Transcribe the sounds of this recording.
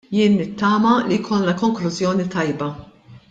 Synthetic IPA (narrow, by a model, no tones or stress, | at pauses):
jɪːnːɪt̪ːɐːmɐlijkʰɔlnɐkɔŋklʊzjɔːnit̪ɐjbɐ